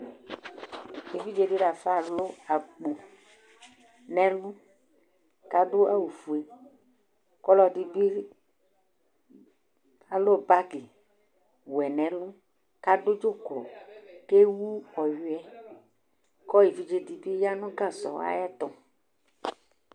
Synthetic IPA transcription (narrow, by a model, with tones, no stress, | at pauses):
e˨vi˦d͡ʒe˨di˦ɖa˨fa˦˨lo˦a˨ɡ͡bo˨ | nɛ̃˨lũ˦ | ka˦ɖo˦a˦wu˨fu˨e˨ | kɔ˦lɔ˨di˨bi˦ | a˨lo˦ba˦ɡe˨ | wɛ˨nɛ̃˨˦lũ˦ | ka˦do˦d͡ʒo˦klɔ̰˨ke˦wu˦ɔ˨ju˦ɛ˦ | kɔ˦je˨vi˦d͡ʒe˦di˨bi˦ja˦nũ˦ɡa˦˨sɔ̰˨wa̰˦ja˦t̪ɔ˨